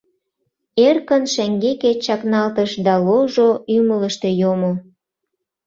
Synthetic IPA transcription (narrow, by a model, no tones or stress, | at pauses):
erkənʃæŋɡeket͡ɕɑknɑlt̪əʃd̪ɑloʒoymələʃt̪e̽jomo